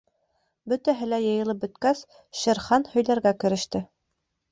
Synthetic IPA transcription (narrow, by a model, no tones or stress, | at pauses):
bɵt̪æɦɘ̆læjɤ̆jɤ̆lˠɤp̚bɵ̆t̪kæs | ʃɘ̆ɾχɑnhɵ̆jlæɾɡækɘ̆ɾɘ̆ʃt̪ɘ